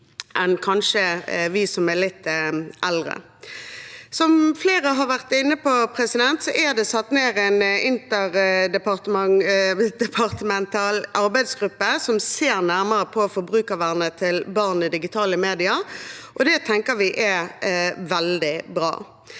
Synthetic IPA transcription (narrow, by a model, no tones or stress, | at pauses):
ʔɛnkʰɑnʂəʋɪsɔmɛlɪt̪ːʔɛld̪ʁə̰ | sɔmfleːɾəɦɑʁʋæʁt̪ɪnːəpɔpʰɾɛsɪd̪ɛnt̪sɔʔæd̪ɛsɑt̪ːneːɾæɪnɪnt̪əʁd̪ɛpɑʁt̪əmɑŋd̪ɛpʰɑʁt̪əmɛnt̪ʰɑːlʔɑɾbæɪd̪sɡɾʉpːəsɔmseːɾnæʁməɾəpʰɔfɔbɾʉːkɑʋæʁnət̪ʰɪlbɑʁnɪd̪ɪɡɪt̪ʰɑːləmeːd̪ɪəɾʔɔd̪ɛt̪ʰɛŋkəɾʋɪʔæ | ʋɛld̪ɪbɾɑ̰ː